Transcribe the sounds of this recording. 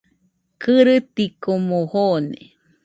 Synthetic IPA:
kɨɾɨt̪ikomohonḛ

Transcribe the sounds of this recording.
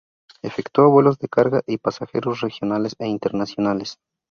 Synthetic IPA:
efekt̪oaβwe̞lo̞zðe̞kaɾɣaʔipasaxe̞̰ɾosre̞xjonaleseint̪e̞ɾnasjo̞nales

